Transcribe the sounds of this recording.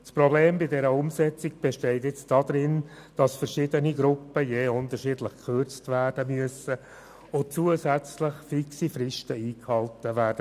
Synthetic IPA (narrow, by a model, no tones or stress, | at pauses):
spɾɔbleːmbɪdɛɾəʊmsɛt͡sɪɡ̚b̥eʃtɛɪtɪt͡sdɑd̪ɾɪn | d̥ɑsfəɾʃɪdəniɡɾʊpːəjeːʊntəɾʃiːdləχkʰχørt͡stvæːrdəmyəsə | ʊt͡suəsæt͡sləχfiksifɾɪʃtəiːkhɑltəʋæːɾd̥ə